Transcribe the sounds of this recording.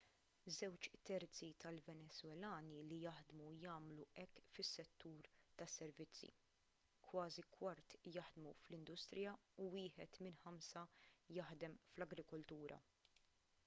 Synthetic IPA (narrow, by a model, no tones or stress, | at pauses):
zɛwt͡ʃt̪ɛɾt͡sit̪ɐlvɛnɛzwɛlɐːnilijɐħd̪mujɐːmluɛkːfɪsːɛt̪ːuːɾt̪ɐsːɛɾvɪt͡sːḭ | kwɐːzikwɐɾt̪jɐħd̪muflɪnd̪ʊst̪ɾɪjɐuwɪːħɛt̪mɪnħɐmsɐjɐħd̪ɛmflɐɡɾɪkɔlt̪uːɾʔɐ̰